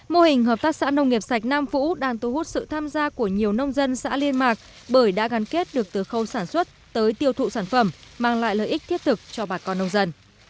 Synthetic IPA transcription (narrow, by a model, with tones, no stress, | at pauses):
mo˧hï˨˩ŋ̟ɦəː˨˩p̚t̪aː˦˥k̚sa̰ː˧˥nə˧wŋ͡mŋi˨˩əp̚sa˨˩jk̟̚naː˧mfṵ˧˥ɗaː˧ŋt̪u˨˧˦hu˦˥t̚sɨ̰˧˨t̪ʰaː˧mzaː˧ku˧˩əɲi˨˩əwnə˧wŋ͡mzə˧nsa̰ː˧˥li˧ənmaː˨˩k̚ | ɓəː˧˩jɗa̰ː˧˥ɣa˨˦nke˦˥t̚ɗɨ˨˩ək̚t̪ɨ˨əxə˧˩wsaː˧˩nswə˦˥t̚t̪əː˨˦jt̪i˧əwt̪ʰṵ˧˨saː˧˩nfə˧˩mmaː˧˩ŋla̰ː˧˨jlə̰ː˨˩jʔi˦˥k̚t̪ʰi˦˥əp̚t̪ʰɨ˨˩k̚t͡ɕɔ˧ɓaː˨˩kɔ˧nːə˧wŋ͡mzə˧n